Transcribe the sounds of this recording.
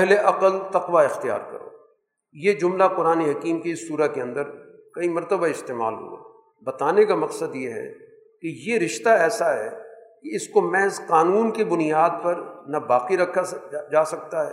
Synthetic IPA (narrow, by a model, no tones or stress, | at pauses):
pɛɦleʔɐqəlt̪ɐqʋaɪxt̪ija̰ːɾkɐ̰ɾo̰ː | jed͡ʒʊmlaqʊɾaːneɦɐkiːmkeɪsːuːɾakeɐ̃nd̪əɾ | kɐimɐɾt̪əbaɪst̪eːma̰ːlɦṵa̰ː | bɐt̪aːnekamɐqsəd̪jeɦɛ̰ | kejeɾɪʃt̪aɛːsaɦɛ̰keɪskomɛ̃ɪsqaːnuːnkebʊnijaːd̪̚pɐɾnabaːqiɾɐkʰːad͡ʒaːsɐk̚t̪aɦɛ̰ː